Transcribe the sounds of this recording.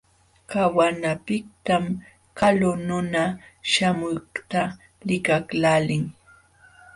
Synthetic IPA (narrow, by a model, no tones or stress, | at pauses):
kawanapɪkt̪am | kalʊnʊnaʃamʊkt̪a | lɪkaklalɪŋ